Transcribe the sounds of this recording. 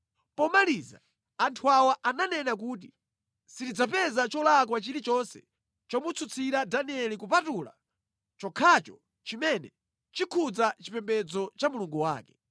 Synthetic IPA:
pɔmaliːza̰ː | ntʰuawaʔananɛnak̬uːt̬i | sitid͡zapɛzat͡ʃɔlak̬wat͡ʃiɾit͡ʃɔnsɛ̰ | t͡ʃɔmut͡sʰut͡sʰiɾadaniɛlikupatula̰ | t͡ʃɔkʰat͡ʃɔ | t͡ʃimɛnɛ | t͡ʃikʰud͡zat͡ʃipɛmbɛd͡zɔt͡ʃamuluŋɡuwa̰ːkɛ

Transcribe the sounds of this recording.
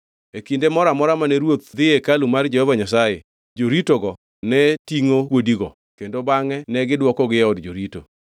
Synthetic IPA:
ekindemɔɾamɔɾamanɛɾwot̪̚d̪ɪekalumard͡ʒɛhɔvaɲas̬ajḛ | d͡ʒoɾitoɡɔ | nɛtiŋokwodiɡɔ | kendobaŋɛnɛɡɪdwɔkɔɡɪjɛɔdd͡ʒoɾito̰

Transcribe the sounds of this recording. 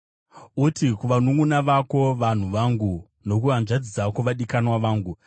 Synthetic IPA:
utikuʋanuŋɡunaʋako̞ʋan̤uʋaŋɡu | no̞k̬uʋanʐad͡zid͡zakoʋaɗikanwaʋaːŋɡu

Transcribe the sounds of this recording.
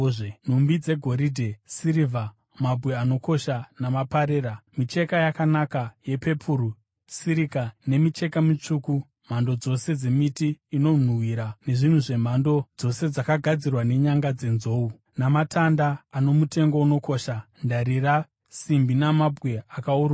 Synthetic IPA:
n̤umbid͡ze̞ɡʱo̞ɾidʱe̞siɾiva | mabʱwe̞ano̞ko̞ʃanamapaɾeːramit͡ʃe̞kajakanakaje̞pe̞pʰuɾu | siɾikane̞mit͡ʃe̞kamit͡ʂuːku | m̤ando̞d͡zo̞se̞d͡ze̞mitiːno̞n̤uwiɾane̞ʐin̤uʐe̞m̤ando̞d͡zo̞se̞d͡zakaɡʱad͡zirwane̞ɲaŋɡad͡ze̞nzo̞ːu | namatʰandaːno̞mute̞ŋɡo̞uno̞ko̞ʃandaɾira | simbinamabʱwe̞akauru

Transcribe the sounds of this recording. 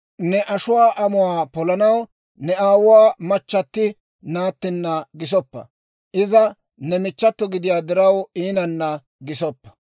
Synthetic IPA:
nɛʔɐʃʊwaːʔɐmʊwaːpɔlɐnɐw | nɛaːwʊwaːmɐt͡ʃːɐt̪ːɪ | naːt̪ːɪnːɐɡɪs̬ɔpːɐ̰ | ʔɪzɐ | nɛmɪt͡ʃːɐt̪ːɔɡɪd̪ɪjaːd̪ɪɾɐwiːnɐnːɐ | ɡɪsɔpːɐ̥

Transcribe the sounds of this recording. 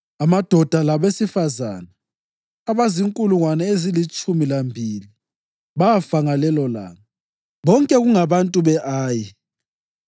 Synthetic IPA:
amad̥ʱɔd̥ʱalaβesifaza̰ːnaː | βaziŋkʼuluŋwanɛezilit͡ʃʼumilambʱili | βaafaŋalɛlɔla̰ːma | βɔŋkʼɛɣuŋaβantʼuβɛʔaːji

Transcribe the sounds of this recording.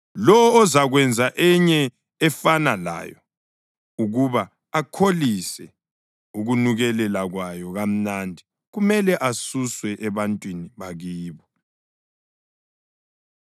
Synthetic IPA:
lɔɔːzaɣwɛnd͡zʱaʔɛɲɛː | fanala̰jɔ̰ | uɣuβa | akʰolisɛ | uɣunuɣɛlɛlaɣwajɔɣam̩nandʱi | ɣumɛlɛʔasuswɛʔɛβantʼwiniβaɣiːβɔ

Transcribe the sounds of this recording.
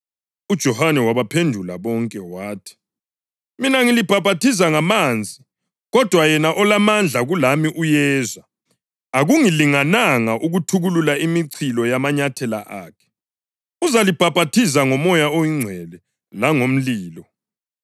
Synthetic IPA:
ud̥ʒ̥ʱɔhanɛwaβapʰendʱula̰βɔŋkʼɛwaːtʰi̥ | minaŋilib̥ʱab̥ʱatʰis̬aŋamaːnd͡zʱi | ɣɔd̥ʱwajɛnaʔɔlamand͡ɮʱaɣulamiʔujɛːzwaː | ɣuŋiliŋanaŋaʔuɣutʰuɣululaimiǀʰilɔjamaɲatʰɛla̰ʔa̰ːkʰɛ̥ | uzalib̥ʱab̥ʱatʰis̬aŋɔmɔjaojiŋ͡ǀʱwɛlɛ | laŋom̩liːlɔ

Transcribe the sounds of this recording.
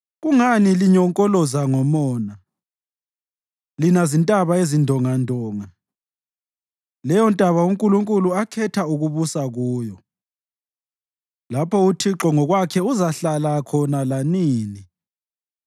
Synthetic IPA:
ɣuŋaniliɲɔŋkʼɔlɔzaŋɔmɔːna | linazintʼaβaezindʱɔŋandʱɔːŋa | lɛjɔntʼaβauŋkʼuluŋkʼuluakʰɛtʰauɣuβusaɣuːjɔ | lapʰɔutʰiǁɔŋɔɣwakʰɛuzaɬalakʰɔnalaniːni

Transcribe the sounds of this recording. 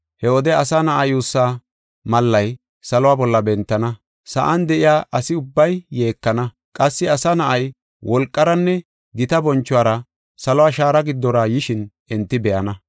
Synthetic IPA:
hɛɔd̪ɛɐsanɐʔɐjuːsːa | mɐlːɐj | sɐlɔwaːbɔlːɐbɛnt̪ːɐnɐ | sɐ̰ʔɐnd̪ɛʔɪjaːʔɐsɪʊbːɐjːe̞ːkːɐnɐ | kʼɐsːɪɐsanɐʔɐj | wʔɔlkʼːɐɾɐnːɛ | ɡɪt̪ɐbɔnt͡ʃːʊwaːɾɐ | sɐlɔwaːʃaːɾɐɡɪd̪ːɔɾɐjɪʃɪnʔɛnt̪ːɪbɛjɐnɐ

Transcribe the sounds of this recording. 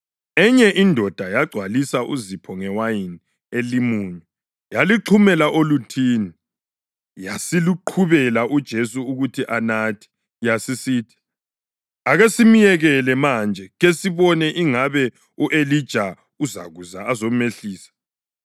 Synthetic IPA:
ɛɲɛʔindʱɔd̥ʱajaɡ͡ǀʱwalisaʔṵzipʰɔŋɛwajini | elimuɲɛ | jaliǁʰumɛlaʔolutʰiːni | jasiluǃʰuβɛlaʔud̥ʒ̥ʱesuːɣutʰiʔanatʰi̥ | jasisitʰi̥ | aɣesimijɛɣɛlɛmand͡ʒʱɛɣesiβɔnɛʔiŋaβɛ | uʔelid̥ʒ̥ʱa | uza̰ɣuzaːzomeɬiːsḁ

